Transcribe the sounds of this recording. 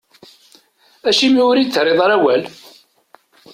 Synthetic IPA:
æʃimiʊɾit͡sːɾeðˤɑɾæwæl

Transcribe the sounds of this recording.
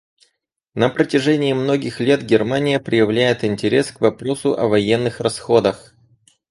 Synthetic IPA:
nəpɾətʲɪʐɛnʲɪːmno̞ɡʲɪxlʲe̞t̪ɡʲɪrmanʲɪjəpɾʲɪjɪvlʲæjɪt̪ɪnʲtʲɪɾʲe̞skvɐpɾo̞sʊʔɐvɐjenːɨxrɐsxo̞d̪əx

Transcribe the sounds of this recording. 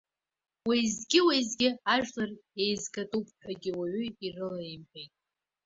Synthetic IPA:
wajzɡʲɪwajzɡʲɪaʒᶣlare̞jzkʼatʼupʰʼħʷᶣaɡʲɪwaʕʏirɨlajmħejtʼ

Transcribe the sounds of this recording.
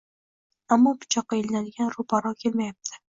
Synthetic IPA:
amːɒpʰʊ̥t͡ʃʰɒqːɑelanad̪ɪɡʲanɾʊpʰaɾɒkʲʰe̞lmajap̚t̪ʰɪ̥

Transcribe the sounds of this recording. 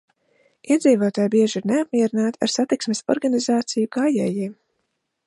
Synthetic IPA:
iɛd̪ziːvoːt̪aːjbiɛʒiɾneap̚miɛɾinaːt̪ia̰ɾsat̪iksmesɔ̰ɾɡanizaːt̪sijukaːjɛ̰ːjiɛm

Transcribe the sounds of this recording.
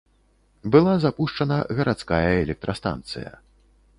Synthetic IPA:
bɨlˠazapuʂt͡ʂɐnɐɣɐɾʔat̪skajɐɛlʲɛk̚t̪ɾɐst̪a̰nt̪sɨ̰jɐ̰

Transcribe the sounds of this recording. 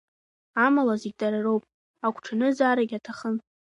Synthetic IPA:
amalaziɡʲtʼaɾarowpʼ | akʷʰʈ͡ʂʰanɨzaːɾaɡʲatʰaχən

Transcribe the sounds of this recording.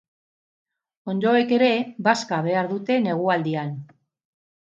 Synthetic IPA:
o̞nd̪o̞e̞ke̞ɾe̞βaskaβ̞e̞aɾðut̪e̞ne̞ɣ̞uald̪ian

